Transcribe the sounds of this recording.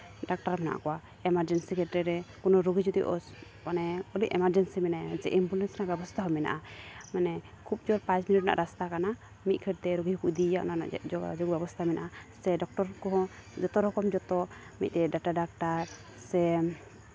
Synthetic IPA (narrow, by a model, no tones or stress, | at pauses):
ɖak̚ʈaɾpna̰ʔa̰kɔwa | ɛmaɾd͡ʒɛnsikɛtɾɛɾɛkɔnɔɾoɡid͡ʒɔd̪iʔɔ̰s | manɛɔliʔɛmaɾd͡ʒɛnsimɛnasɛ̰ʔimbulɛnsnaʔbɛbɔst̪ʰaɦɔmɛna̰ʔamanɛ | kʰup̚d͡ʒɔɾpãt͡ʃminiʈ̚na̰ʔaɾast̪akana | mit̪̚kʰɛɾ̚t̪ɛɾoɡiɦukuʔd̪iaʔna̰d͡ʒɔɡbɛbɔst̪ʰamɛna̰ʔasɛɖɔk̚ʈɔɾkɔɦɔ̃d͡ʒɔt̪ɔɾɔkɔmd͡ʒɔt̪ɔmḭt̪̚ˀt̪ɛɖaʈaɖak̚ʈaɾ | sɛ